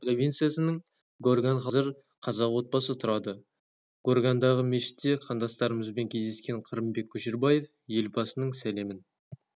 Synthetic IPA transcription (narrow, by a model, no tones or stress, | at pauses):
pro̞vʲijnt̪sɨjasənəɴ | ɡorɡanχɑzɪɾ | qʰɑzɑqwo̞t̪̚bɑsət̪ʰʊɾɑd̪ə | ɡ̥o̞rɡand̪ɑʁəmeʃɪ̥t̪ːe̞qʰɑnd̪ɑst̪ɑɾəməzbe̞ŋkʲʰe̞zd̪e̞skʲe̞ɴqʰəɾəmbe̞kʲʰːɵʃeɾbɑje̞f | je̞lbɑsənəɴsæle̞mɪn